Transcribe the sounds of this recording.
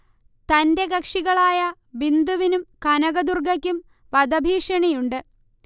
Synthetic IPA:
t̪ɐnde̞ɡɐkʂiɣɐɭaːjɐ | bind̪uʋinumkɐnɐɣɐd̪urɡɐkʲːum | ʋɐd̪ɐbʱiːʂɐɳijuɳɖɨ

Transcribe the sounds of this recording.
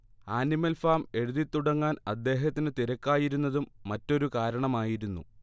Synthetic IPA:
aːnimɐlfaːme̞ɻuðit̪ːuɽɐŋːaːnɐd̪ːe̞ːɦɐt̪ːinɨt̪iɾɐkːaːjiɾunːɐðumːɐtːo̞ɾukaːɾɐɳɐmaːjiɾunːṵ

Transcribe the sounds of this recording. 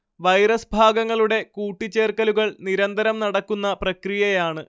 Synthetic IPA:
ʋɐjɾɐsbʱaːɡɐŋːɐɭuɽe̞kuːʈːit͡ɕːe̞ːrkɐluɣɐɭniɾɐnd̪ɐɾɐmnɐɽɐkːunːɐprɐkrijɐjaːɳɨ

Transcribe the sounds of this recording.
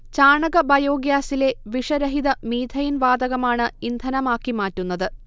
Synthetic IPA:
t͡ɕaːɳɐɣɐbʱɐjo̞ːɡjaːsile̞ʋiʂɐɾɐɦiðɐmiːd̪ʱɐjinʋaːd̪ɐɣɐmaːɳɨind̪ʱɐnɐmaːkːimaːtːunːɐðɨ

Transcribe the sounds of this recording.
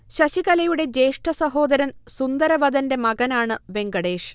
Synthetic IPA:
ɕɐɕiɣɐlɐjuɽe̞d͡ʑe̞ːʂʈɐsɐɦo̞ːd̪ɐɾɐnsund̪ɐɾɐʋɐd̪ɐnde̞mɐɡɐnaːɳɨʋe̞ŋɡɐɽe̞ːʂ

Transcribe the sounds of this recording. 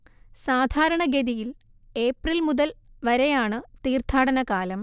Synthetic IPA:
saːd̪ʱaːɾɐɳɐɡeðijil | eːprilmuðɐlʋɐɾejaːɳɨt̪iːrt̪ʰaːɽɐnɐkaːlɐm

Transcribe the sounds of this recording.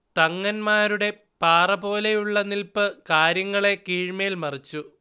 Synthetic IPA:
t̪ɐŋːɐnmaːɾuɽe̞ | paːrɐbo̞ːle̞juɭːɐnilpɨkaːɾjɐŋːɐɭe̞kiːɻmɐjilmɐrit͡ɕːu

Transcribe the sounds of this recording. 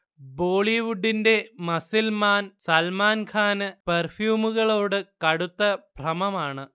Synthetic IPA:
bo̞ːɭiʋuɖːinde̞mɐsilmaːnsɐlmaːnkʰaːnɨpɐrfjuːmuɣɐɭo̞ːɽɨkɐɽut̪ːɐbrɐmɐmaːɳɨ

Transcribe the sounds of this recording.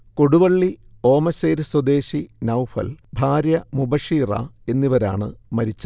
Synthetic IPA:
koɽuʋɐɭːio̞ːmɐseːɾɨswɐd̪e̞ːɕinɐwfɐ̰lbʱaːɾjɐmubɐʂiːrɐ̰e̞nːiʋɐɾa̰ːɳɨmɐɾit͡ɕːɨ

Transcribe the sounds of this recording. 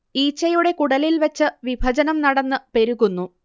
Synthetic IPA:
iːt͡ɕːɐjuɽe̞kuɽɐlilʋɐt͡ɕːɨʋibʱɐd͡ʑɐnɐmnɐɽɐnːɨpe̞ɾuɣunːu

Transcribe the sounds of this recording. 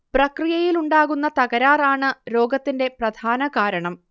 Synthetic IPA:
prɐkrijɐjiluɳɖaːɣunːɐt̪ɐɣɐɾaːraːɳɨɾo̞ːɡɐt̪ːinde̞prɐd̪ʱaːnɐɣaːɾɐɳɐm

